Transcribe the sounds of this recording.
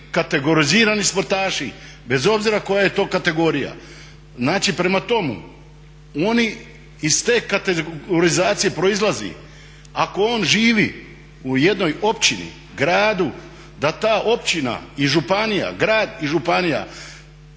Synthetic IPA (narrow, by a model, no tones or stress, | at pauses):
kat̪e̞ɡo̞ɾiziːɾanispo̞ɾt̪aːʃi | be̞zo̞bziɾako̞jaje̞t̪o̞ːkat̪e̞ɡo̞ɾija̰ | znaːt͡ʃipɾe̞mat̪o̞mṵ | o̞ni | ist̪e̞ːkat̪eɡo̞ɾizaːt̪sije̞pɾo̞izlˠazḭ | ako̞oːnʒiːʋi | uje̞d̪no̞jo̞pt͡ɕinḭ | ɡɾaːd̪u | d̪at̪aːʔo̞pt͡ɕina̰iʒupanija̰ɡɾaːd̪iʒupanija̰